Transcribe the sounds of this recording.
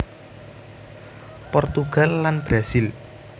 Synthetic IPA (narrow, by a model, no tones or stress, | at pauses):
pɔrt̪uɡ̥a̤lːanb̥ɾasɪl